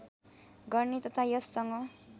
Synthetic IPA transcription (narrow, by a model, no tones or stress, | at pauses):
ɡʌrnit̪ʌt̪ʰajʌsːʌŋʌ